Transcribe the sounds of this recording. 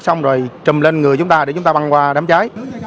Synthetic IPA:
sa˧wŋ͡mzo˨˩jt͡ɕə˨˩mle˧nŋɨ˨˩əjt͡ɕʊ˨˦ŋ͡mt̪aː˧e˧˩t͡ɕʊ˨˦ŋ͡mt̪ːɓa˧nkwaː˧ɗaː˨˦mt͡ɕaː˨˦j

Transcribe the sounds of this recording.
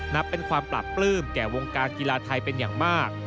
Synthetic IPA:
na˦˥pːe˧nkʰwaː˧mpla̰˨˩pːlɯː˥˩mkɛː˨˩wo˧ŋkaː˧nki˧laː˧t̪ʰa˧jpe˧njaː˨˩ŋmaː˥˩k̚

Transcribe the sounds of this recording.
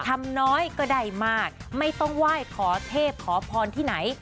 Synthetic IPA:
t̪ʰa˧mnɔː˦˥jkɔː˥˩da˥˩jmaː˥˩k̚ma˥˩jt̪ɔ˥˩ŋwaː˥˩jkʰɔː˩˦t̪ʰeː˥˩p̚kʰɔː˩˦pʰɔː˧nt̪ʰiː˥˩na˩˦j

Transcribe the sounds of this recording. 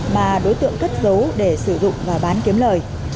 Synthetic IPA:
maː˨˩ɗo˨˦jt̪ɨ̰˧˨əŋkə˦˥t̚zə˨˦wɗe˧˩sɨ˧˩zʊ̰˧˨ŋ͡mvaː˨˩ɓaː˨˦nki˨˦əmləː˨˩j

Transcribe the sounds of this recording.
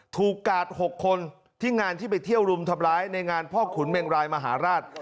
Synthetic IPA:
t̪ʰuː˨˩kːaː˨˩t̪̚ho˨˩kʰːo˧n | t̪ʰiː˥˩ŋaː˧nt̪ʰiː˥˩p̬a˧jt̪ʰi˥˩əwɾu˧mt̪ʰa˧mɾaː˦˥jna˧jŋaː˧npʰɔː˥˩kʰu˩˦nmeː˧ŋɾaː˧jma˧ɦa̰ː˩˦ɾaː˥˩t̪̚

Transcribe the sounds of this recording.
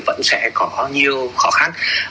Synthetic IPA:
və̰˧˥nsɛ̰˧˥kɔ˨˦ɓaː˨˧˦ɲi˨˧əwxɔ˧˦xa˧n

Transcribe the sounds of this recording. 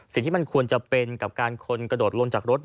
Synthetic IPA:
si˨˩ŋt̪iː˥˩m˧nkʰu˧ənt͡ɕa˨˩pe˧nka˨˩p̚kaː˧nkʰo˧nkɾa˧doː˨˩t̪̚lo˧ŋt͡ɕaː˨˩k̚ɾo˦˥t̪̚

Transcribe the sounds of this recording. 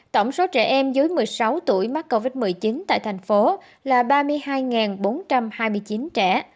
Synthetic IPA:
t̪ə˧˩wŋ͡mso˨˦t͡ɕɛ̰˧˩ʔɛ˧mzɨ˨˦jmɨ˨˩əjsa˨˦wt̪ṵ˧˩əjma˦˥t̚ko˧vi˦˥t̚mɨ˨˩əjt͡ɕi˨˦nt̪a̰ː˧˨jt̪ʰa˨˩jŋ̟fo˨˦ | laː˨˩ɓaː˧mɨ˧əjhaː˧jŋaː˨˩nɓo˨˦nt͡ɕa˧mhaː˧jmɨ˧jt͡ɕi˨˦nt͡ɕɛ̰˧˩˨

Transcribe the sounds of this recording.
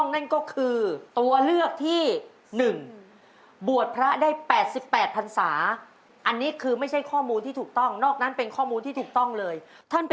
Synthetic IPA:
ŋna˥˩nkɔː˥˩kʰɯː˧t̪u˧ɐlɯ˥˩ək̚t̪ʰiː˥˩ | nɯ˨˩ŋ | bu˨˩ət̪̚pʰɾa˦˥daː˥˩jpɛː˨˩t̪̚si˨˩pːɛː˨˩t̪̚pʰa˧nsaː˩˦ | ʔa˧nːiː˦˥kʰɯː˧ma˥˩jt͡ɕʰa˥˩jkʰɔː˥˩muː˧nt̪ʰi˥˩uː˨˩k̚t̪ɔ˥˩ŋnɔː˥˩k̚na˦˥npe˧nkʰɔː˥˩muː˧nt̪iː˥˩uː˨˩k̚t̪ɔ˥˩ŋlɤː˧jt̪ʰa˥˩np

